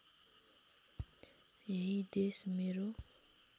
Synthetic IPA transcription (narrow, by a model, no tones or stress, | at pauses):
ɦeɦid̪esmeɾo